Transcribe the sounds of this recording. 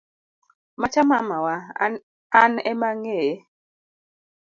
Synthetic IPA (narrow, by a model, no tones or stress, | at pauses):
mat͡ʃamamawa | anɛmaŋe